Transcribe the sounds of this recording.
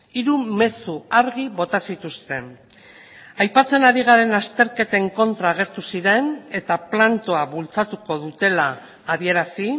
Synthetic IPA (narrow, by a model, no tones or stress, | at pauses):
iɾume̞suaɾɣ̞iβo̞t̪asit̪ust̪e̞ | ajpat͡se̞naɾiɣ̞aɾe̞nast̪e̞ɾke̞t̪eŋko̞nt̪ɾaːɣ̞e̞ɾt̪usiɾe̞ne̞t̪aplant̪oaβult͡sat̪uko̞ðut̪e̞laː | βie̞ɾasi